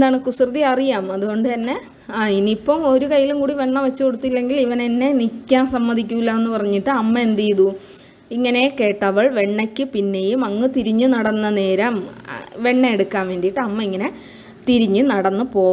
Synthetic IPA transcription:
end̪aːɳɨkusrðiɐrijaːmɐðuɣo̞ɳɖɨt̪ɐnːe̞ | ainipːɐmo̞ɾukɐjːilumkuːɽiʋe̞ɳːɐʋɐt͡ɕːuko̞ɽut̪ːilːe̞ŋɡiliʋɐne̞nːe̞nikʲːaːnsɐmːɐd̪ʱikʲːuilːɐenːɨpɐrɐɲːiʈːɨɐmːɐend̪ijðu | iŋːɐne̞ke̞ːʈːɐʋɐɭʋe̞ɳːɐkʲːɨpinːe̞jumɐŋːɨt̪iɾiɲːɨnɐɽɐnːɐne̞ːɾɐmʋe̞ɳːɐeɽukːaːmʋeːnɖijiʈːɨɐmːɐiŋːɐne̞ | t̪iɾiɲːɨnɐɽɐnːɨpo̞ː

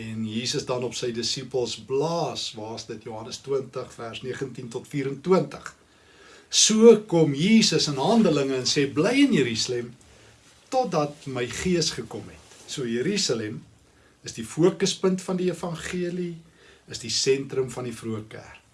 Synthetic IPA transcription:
ɛnjiːsəsdɐnɔpsəjdəsipəlˠsblɑːsvɑːsdətjuɦɐnəstwəntəχfærsniəχəntintɔtfiːɾəntwəntəχ | suəkɔmjiːsəsənɦɐndələŋəːnsɛːblɛjənjəɾisɑlɛm | tɔt̚dɐt̚məjχiəsχəkɔmɦɛ̰tsuəjəɾisɑlɛm | əsdifuəkəspəntfɐndiefɐnχiəli | əsdisɛntɾəmfɐndifruəkæ̰rk

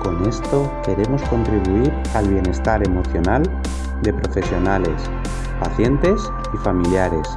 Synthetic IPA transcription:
ko̞ne̞st̪o̞ke̞ɾe̞mo̞sko̞nt̪ɾiβuiɾ | alβ̞je̞ne̞st̪aɾe̞mo̞θjo̞nal | d̪e̞pɾo̞fe̞sjo̞nale̞s | paθje̞nt̪e̞s | ifamiljaɾe̞s

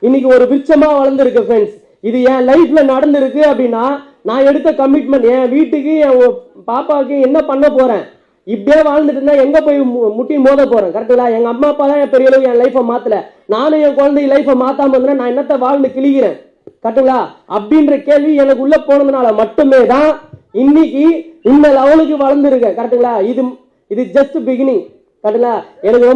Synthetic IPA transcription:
ɪnːɪk̬ʲːɯɔɾɯʋɪɾt͡ʃːɐmaːʋɐɻɐɾnd̪ɪɾɯkːɐfɾɛns | ɪðɯjɛ̃ːlɐɪfɪlɐnɐɽɐnd̪ɪɾɯkːɯɐpːɐɽɪnːaː | nãːɛɽɯt̪ːɐkɐmɪʈ̚mɐɳʈjɛ̃ːʋiːʈːɯkːɯɛ̃ːpaːpaːk̬ːɯ̃ɛnːɐpɐɳːɐpoːɾẽː | ɪpɐɽɪjeːʋaːɻnd̪ɯʈːɯnːãːɛŋɡɐpoːjmʊʈːimoːðɐpoːɾẽːkɐɾɐʈːɯŋɐɭaːɛŋɡɐɐmːaːpːaːt̪ãːjɛ̃ːpɛɾɪjɐɭɐʋɯɛ̃ːlɐɪfɐmaːt̪ːɪlɐ | naːnʊ̃jɛ̃ːkɔɻɐnd̪ɐjlɐɪfɐmaːt̪ːaːmɐɾnd̪ɯnːaːnãːɛnːɐt̪ːɐʋaːɭnd̪ɯkɪɭɪɣɪɾẽː | kɐɾɐʈːɯŋɡɐɭaːɐpːɽɪnɾɐkeːɭʋiɛnɐk̬ːɯʊɭːɐpoːnɐðɐnaːɭɐmɐʈːɯmeːt̪ãːɪnːɪkːiɪnd̪ɐlɐʋɐlɯk̬ːɯʋɐɻɐnd̪ɪɾɯkːẽːkɐɾɐʈ̪ːɯŋɡɐɭaːɪðɯ | ɪðɯd͡ʒɐstbɪɣɪnɪŋ | kɐɾʈːɯŋɡɐɭaːɛnɐkːɯɾɔ

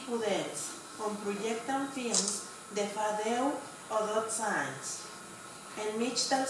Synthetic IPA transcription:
puðels | kompɾojekt̪anfims | d̪efaðew | oðot̪sans | enmit͡ʃt̪an

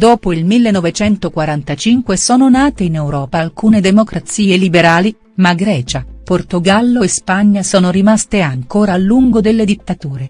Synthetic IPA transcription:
d̪oːpoilmilːenːɔvet͡ʃɛnt̪okwaɾant̪at͡ʃiŋkwesɔːnonaːt̪einɛwɾɔːpalkuːned̪emokɾʔat̪siːelibeɾaːli | maɡɾɛːt͡ʃaport̪oɡalːoespaɲːasɔːnoɾimast̪eaŋkoːɾalːuŋɡod̪elːed̪it̪ːat̪uːɾe

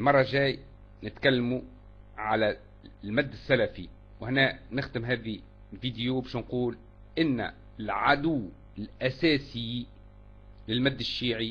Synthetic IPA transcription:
lmɑrˤːɑʒæːj | nɪt̪kalːamu | ʕalæ | lmæd̪ːɪsːælafi | whɪnænɪxd̪ɪmɦæːði | lviːd̪ɪjobaʃnquːl | ʔɪnːæ̰ | ɪlʕad̪ʊwː | ɪlʔæsæːsɪ | lɪlmæd̪ːɪʃːiːʕi

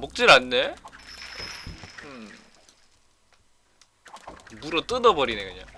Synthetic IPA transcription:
mok̚t͡ɕ͈iɾanːe̞ | ɯ | muɾʌt͈ɯdʌbʌɾine̞kɯɲa̰ŋ

